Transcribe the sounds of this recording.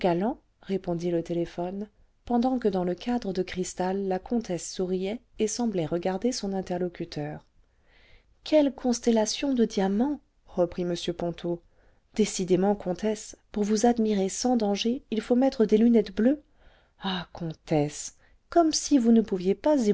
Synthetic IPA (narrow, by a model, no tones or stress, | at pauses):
ɡalɑ̃ | ʁepɔ̃d̪ilət̪elefɔn | pɑ̃d̪ɑ̃kəd̪ɑ̃ləkad̪ʁəd̪əkχist̪alːakɔ̃t̪ʰɛsːuʁijɛesɑ̃blɛʁəɡaʁd̪esɔ̃nɛ̃t̪ɛʁlɔkʲyt̪ʰœːʁ | kʰʲɛlkʰɔ̃st̪elasjɔ̃d̪əd̪jamɑ̃ | ʁəpχiməsjøpɔ̃t̪ʰo | d̪̥esid̪emɑ̃kʰɔ̃t̪ʰɛspuʁvuzad̪miʁesɑ̃d̪ɑ̃ʒeilfomɛt̪χəd̪elynɛt̪blø | akʰɔ̃t̪ɛs | kɔmsivunəpuvjepazi